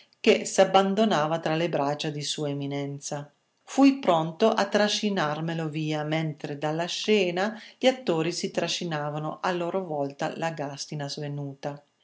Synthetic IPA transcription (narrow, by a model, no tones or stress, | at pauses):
k̟esabːand̪onaːvat̪ɾalebɾat͡ʃːad̪isuːaeminɛnt̪sa | fujpɾɔnt̪oʔat̪ːɾaʃinarmeloviːament̪ɾed̪alːaʃɛːnaʎat̪ːoːɾisit̪ɾaʃinaːvanoʔalːoːɾovɔlt̪a̰laɡast̪inazvenuːt̪a